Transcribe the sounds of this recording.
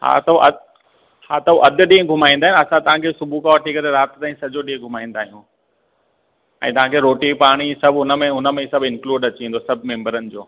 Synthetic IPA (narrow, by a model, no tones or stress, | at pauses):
ɦa̰ːt̪ɐuʔɐ | haːt̪ɐuʔɐd̪ʱʊɗĩẽɡʱʊmaːĩnd̪aːɦj̃nɐsãt̪ɐʋ̤ãkʰesʊbʱukaːʋəʈʰikɐɾeɾaːt̪t̪aːĩsɐd͡ʑoɗĩɦẽɡʱʊmaːĩnd̪aːɦijũ | ɛ̰̃ːt̪ɐʋ̤ãkʰeɾoːʈipaːɽ̃isɐbʱɦʊnə̆mẽɦʊnə̆mẽsɐbʱɪ̃nkluːɖɐt͡ɕiĩːn̆d̪osɐbʱmẽːmbəɾənɪ̆d͡ʑoː